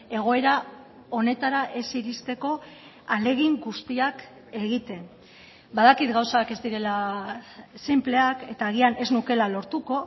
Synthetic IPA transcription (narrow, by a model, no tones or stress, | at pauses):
e̞ɣ̞o̞e̞ɾa | o̞ne̞t̪aɾaʔe̞siɾist̪e̞ko̞ | ale̞ɣ̞iŋɡust̪iak | e̞ɣit̪e̞n | baðakit̪ɡawsake̞zd̪iɾe̞la | semple̞ake̞t̪aːɣ̞iane̞znuke̞lalo̞ɾt̪uko̞